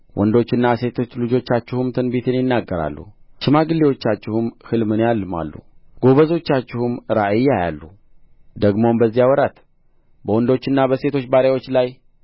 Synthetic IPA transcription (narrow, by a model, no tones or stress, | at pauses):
wʔɔnd̪o̞t͡ʃːɨnːase̞t̪ʰo̞t͡ʃːlɨd͡ʒo̞t͡ʃːat͡ʃːɪhumt̪ʰɨnbit̪ʰɨnjɪnːaɡːəɾa̰lːṵʃɨmaɡɨlːewo̞t͡ʃːat͡ʃːɪhɨmhɨlmɨnjalːɨma̰lːṵɡ̥o̞βəzo̞t͡ʃːat͡ʃːɪhumɾaʔɨjːaja̰lːṵ | d̪əɡmo̞mbəzːijawɔɾat̪ | bəwɔnd̪o̞t͡ʃːɨnːabəse̞t̪ʰo̞t͡ʃːbaɾawo̞t͡ʃːlaj